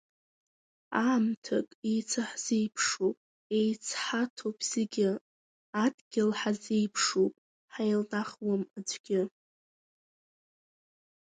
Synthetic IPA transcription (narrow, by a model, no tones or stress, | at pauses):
aːmtʰakʼejt͡sʰaħz̥ejpʰʂopʼ | e̞jt͡sʰħatʰopʰʼz̥ɪɡʲɪ | adɡʲɪlħazejpʰʂopʼ | ħajlnaχwamad͡ʒʷʼɡʲɪ